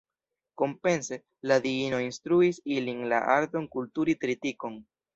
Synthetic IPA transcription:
ko̞mpe̞nse̞ | ladiino̞instɾuisilinla̰ʔaɾt̪o̞nkultuɾitɾitiko̞n

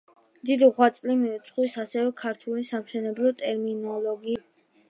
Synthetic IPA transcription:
md̪id̪iʁwat̪sʼlimiut̪sʰχwisasɛvɛkʰaɾt̪ʰulisamʃɛnɛblˠɔt̪ʼɛɾminɔlˠɔɡi

